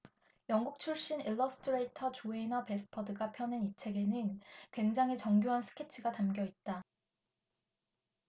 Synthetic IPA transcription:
jʌŋɡuk̚t͡ɕʰuɭɕ͈iniɭːʌsʰɯ̥tʰɯɾe̞itʰʌt͡ɕoenʌpe̞sʰɯ̥pʰʌdɯɡapʰjʌnenit͡ɕʰe̞ɡe̞nɯnkwe̞ŋd͡ʑaŋɦet͡ɕʌŋɡjoɦansʰɯ̥kʰe̞t͡ɕʰɯɡatamɡjʌit̚t͈a

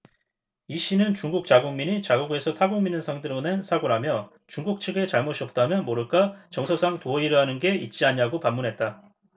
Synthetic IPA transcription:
iɕ͈inɯnt͡ɕuŋɡuk̚t͡ɕ͈aɡuŋmiɲit͡ɕaɡuɡe̞sʰʌtʰaɡoŋminɯnsʰaŋdɯɾonensʰaɡoɾamjʌ | t͡ɕuŋɡuk̚t͡ɕʰɯɡe̞t͡ɕaɭmoɕʰiʌp̚t͈amjʌnmoɾɯɭk͈at͡ɕʌŋsʰʌsʰaŋtoʌiɾɯɦanɯnɡe̞it̚t͡ɕ͈iaɲiaɡopamːunɦe̞t̚t͈a

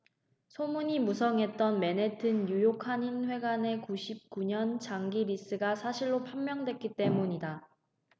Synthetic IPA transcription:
sʰomuɲimusʰʌŋɦe̞t̚t͈ʌnme̞ne̞tʰɯnjujokʰaɲinɸwe̞ɡane̞kuɕʰip̚k͈uɲʌnt͡ɕaŋɡiɾis͈ɯɡasʰaɕʰiɭːopʰammjʌŋdwe̞k͈it͈e̞muɲida

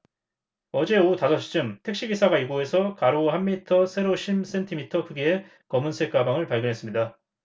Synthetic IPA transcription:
ʌd͡ʑe̞otasʰʌɕ͈ʰi̥d͡ʑɯmtʰe̞k̚ɕ͈ibisʰaɡaiɡoe̞sʰʌkaɾohamːitʰʌsʰe̞ɾoɕʰims͈e̞ntʰimitʰʌkʰɯɡie | kʌmɯnsʰe̞k͈abaŋɯɭpaɭɡjʌnɦe̞s͈ɯmɲida

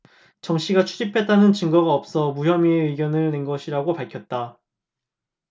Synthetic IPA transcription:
t͡ɕʌmɕ͈iɡat͡ɕʰu̥d͡ʑipʰe̞t̚t͈anɯnt͡ɕɯŋɡʌɡaʌp̚s͈ʌmujʌmiɯiɡjʌnɯɭne̞nɡʌɕʰiɾaɡopaɭkʰjʌt̚t͈a

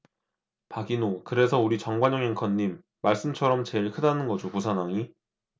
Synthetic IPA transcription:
paɡinokɯɾe̞sʰʌuɾit͡ɕʌŋɡwaɲoŋɦeŋkʰʌɲːimː | aɭs͈ɯmt͡ɕʰʌɾʌmt͡ɕe̞ɭkʰɯdanɯnɡʌd͡ʑopusʰanaŋi

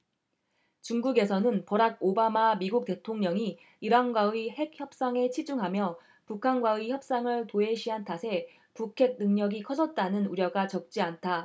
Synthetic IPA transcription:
t͡ɕuŋɡuɡe̞sʰʌnɯnpʌɾaɡ̚obamamiɡuk̚t͈e̞tʰoŋɲʌŋi | iɾanɡwaihe̞k̚çjʌp̚s͈aŋe̞t͡ɕʰid͡ʑuŋɦamjʌ | pukʰanɡwaiçjʌp̚s͈aŋɯɭtoe̞ɕʰiɦantʰasʰe̞ | pukʰe̞ɡ̚nɯŋɲʌɡikʰʌd͡ʑʌt̚t͈anɯnuɾjʌɡat͡ɕʌk̚t͡ɕ͈iantʰa

